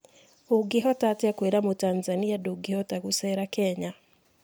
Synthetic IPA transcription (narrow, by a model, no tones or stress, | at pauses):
oɡeɦɔtatakweɾamotanzaniadoɡehɔtaɣusɛɾakɛɲa